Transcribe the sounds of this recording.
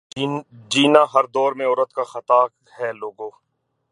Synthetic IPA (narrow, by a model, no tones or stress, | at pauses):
d͡ʒiːnaɦɐɾd̪ɔːɾmẽɔːɾət̪kaxɐt̪aː | hɛːloːɡõː